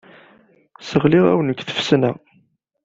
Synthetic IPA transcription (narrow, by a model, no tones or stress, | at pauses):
səʁliʁæ̰wənəkʷːθə̥fsnæ